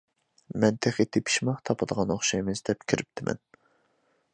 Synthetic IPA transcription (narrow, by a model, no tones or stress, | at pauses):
mɛnt̪ʰeχit̪ʰːepʰi̥ʃmɑqt̪ʰɑpʰɨd̪əʁɑnoχʃɑjmɨzd̪ɛpkʲʰiɾɪp̚t̪ʰɪmʔɛ̰n